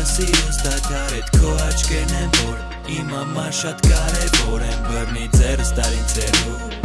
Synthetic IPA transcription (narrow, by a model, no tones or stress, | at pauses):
siɾəst̪at̪ʰaɾɛt̪kʰɔɑt͡ʃkɛɾnɛvɔɾ | imamaʃat̪kɑɾɛvɔɾɛmbəɾnid͡zɛɾst̪aɾit͡sʰɛɾu